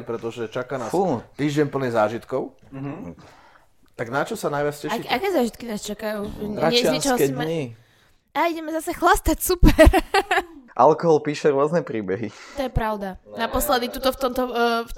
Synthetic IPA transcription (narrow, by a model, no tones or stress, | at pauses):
pɾɛt̪ɔʒɛt͡ʃakanaut̪iːʒɛɲpl̩ɲɛzaːʒit̪kɔʊ | t̪aɡnat͡ʃɔsanajʋat͡scɛaʃkakɛːzaːʒit̪kinaːst͡ʃakajuːɲaɛt͡ʃɔɦɔkɛmɲi | aːiɟɛmɛzasɛxlast̪acsupɛɾ | ʔa̰lkɔɦɔlpiːʃɛɾʊɔznɛpɾiːbɛɦit̪ɔjɛpɾaʊd̪anapɔslɛd̪it̪ut̪ɔft̪ɔmt̪ɔ